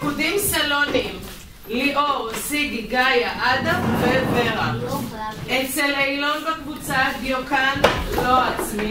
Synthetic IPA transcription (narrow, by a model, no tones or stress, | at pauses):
kudimsalonim | liʔosidiɡajaʔad̪aveveʁa̰ | ʔet͡selejlo̞nbekvut͡saɡjokanlo̞at͡smi